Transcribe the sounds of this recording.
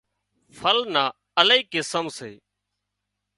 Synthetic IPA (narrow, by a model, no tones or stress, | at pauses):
fʰəlnaː | əliːkɪsəmsḛː